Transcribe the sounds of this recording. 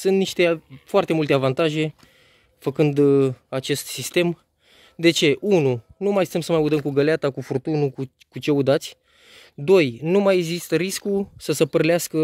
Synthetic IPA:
sɨnt̪niʃt̪e̞foart̪e̞mult̪e̞avant̪aʒe̞ | fəkɨnd̪at͡ʃe̞st̪sist̪e̞m | d̪e̞t͡ʃe̞ʔununumajsi̥t̪emsəmajud̪əmkuɡəleat̪akufurt̪unuku | kut͡ʃe̞ud̪at̪sʲ | d̪o̞jnumajeɡzist̪əɾiskusəsəpərleaskə

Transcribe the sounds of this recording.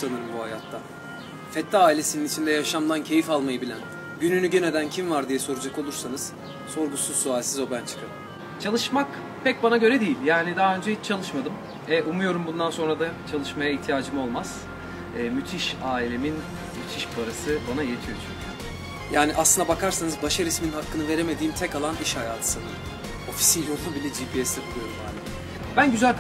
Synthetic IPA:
sanɯɾɯmbuɦajat̪ʰːa | fɛt̪laːilʲesininit͡ʃʰind̪ɛjaʃamd̪ˠancʰe̞jifalˠmajɯbilʲæn | ɟynynyɟened̪æncʰimvaɾd̪ijɛso̞ɾud͡ʒako̞lˠuɾsanɯz̥ | so̞ɾɡusuzsualʲsizo̞bænt͡ʃʰɯ̥kʰaɾɯm | t͡ʃʰalˠɯʃmak | pʰɛc̚banaɟø̞ɾɛd̪ejilʲjaːnid̪aɦaø̞nd͡ʒɛɦit͡ʃt͡ʃʰalˠɯʃmad̪ɯm | ɛʔumujo̞ɾumbund̪anso̞nɾad̪at͡ʃʰalˠɯʃmajaiht̪ʰijaːd͡ʒɯmɯo̞lˠmaz̥ː | myt̪ʰiʃaːilʲemin | myt̪ʰiʃbaɾasɯbanajet̪ʰijo̞t͡ʃʰycʰy | jaːniʔaslɯnd̪abakʰaɾsanɯzbaʃaɾismininɦakːɯnɯve̞ɾemed̪iːimt̪ʰɛcalˠaniʃhajaːt̪ʰɯ̥sɯnd̪ɯ | o̞fi̥sinjoubilʲɛd͡ʒipʰiɛsd̪ɛbʰulˠujoɾumjaːnɪ | bænɟyzælʲk

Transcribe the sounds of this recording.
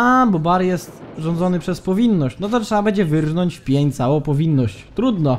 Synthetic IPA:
abɔbaɾjɛst̪ʐɔnd̪zɔnɘpʂɛspɔvʲinːɔɕt͡ɕnɔt̪ɔtʂɛabɛɲd͡ʑɛvɘɾvnɔɲt͡ɕfpʲjeɲt̪sawɔ̃w̃pɔvʲinːɔɕt͡ɕt̪ɾud̪nɔ

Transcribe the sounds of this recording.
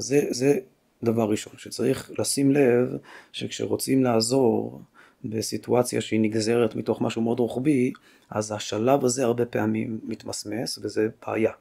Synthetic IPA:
zeze | davaʁːiʃo̞nʃet͡saʁiχlasimle̞vʃḛkʃḛʁo̞t͡simlaːzo̞ʁ | besituat͡sja̰ʃeiniɡze̞ʁetmito̞χmaʃumeo̞dʁuχbi | ʔazhaʃalavaze̞aʁbe̞peamimːit̪masme̞sveze̞b̥a̰ːja

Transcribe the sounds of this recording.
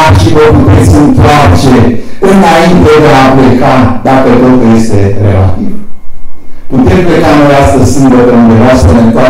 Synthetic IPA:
ʃivəput̪e̞t̪sʲɨnt̪oart͡ʃeɨnaint̪e̞d̪eaplekad̪akət̪o̞t̪ulje̞st̪e̞rela̰t̪ḭv | put̪e̞mplekanoɾeast̪əssɨŋɡət̪əund̪evasenet̪oa

